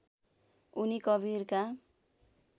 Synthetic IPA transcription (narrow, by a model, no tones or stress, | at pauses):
unikʌbʱirka